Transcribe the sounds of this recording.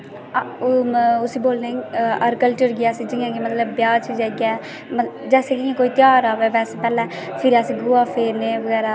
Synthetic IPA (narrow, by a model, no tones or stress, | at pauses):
ʊsiːboːlnẽəɾkəlʈəɾɡɪaːsĩːd͡ʒɪãːkimət̪ləbːjaːd͡ʒt͡ʃid͡ʒaːɡa | məd͡ʒɛːseːkɪ̃koːiːt̪ɪjaːɾaːʋeːʋɛːseːpɛːlɛ̃ː | pʰɪɾaːsĩːɡʊaːpʰeːɾneːʋəɡɛːɾaː